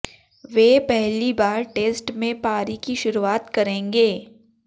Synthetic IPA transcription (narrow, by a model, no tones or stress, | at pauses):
ʋeːpɛɦlibaːɾʈeːsʈmẽpaːɾikiʃʊɾuaːt̪kɐɾẽːŋɡeː